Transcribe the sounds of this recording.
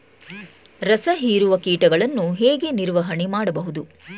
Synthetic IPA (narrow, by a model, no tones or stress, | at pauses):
ɾɐsɐɦiːɾuʋɐkiːʈɐɡɐɭɐnːuɦeːɡe̞niɾʋɐɦɐɳemaːɽɐbɐɦud̪u